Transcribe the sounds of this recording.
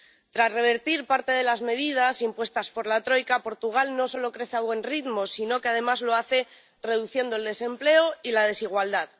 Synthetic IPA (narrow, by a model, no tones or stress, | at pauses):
t̪ɾasre̞β̞e̞ɾt̪iɾpaɾt̪e̞ðe̞lazme̞ð̞ið̞asimpwe̞st̪aspo̞ɾlat̪ɾo̞jkapo̞ɾt̪uɣ̞alno̞so̞lo̞kɾe̞θeaβwe̞nriðmosino̞keað̞e̞mazlo̞aθe̞ | re̞ð̞uθje̞nd̪oe̞ld̪e̞se̞mple̞oilað̞e̞siɣ̞wald̪að